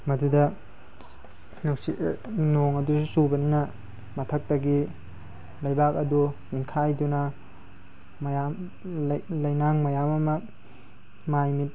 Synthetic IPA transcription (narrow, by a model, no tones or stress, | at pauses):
mɐdudɐ | nuwsinoŋɐdusubɐninɐ | mɐtʰɐk̚tɐɡi | lɐjbak̚ɐduninkʰajdunɐ | mɐjam | llɐjnaŋmɐjamɐmɐ | majmit̚